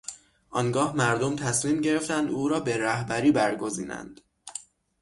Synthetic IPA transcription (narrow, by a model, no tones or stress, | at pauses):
ʔɒːŋɡɒːhmæɾd̪omt̪ʰæsmiːmɟe̞ɾe̞ft̪ænd̪ʔuːɾɒːbe̞ɾæhbæɾiːbæɾɡo̞ziːnæ̰nd̪̥